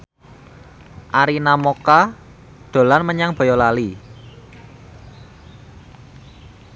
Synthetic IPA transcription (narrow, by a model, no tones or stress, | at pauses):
ʔaɾinamoka | d̪̥o̤lanməɲaŋb̥ɔ̤jɔlali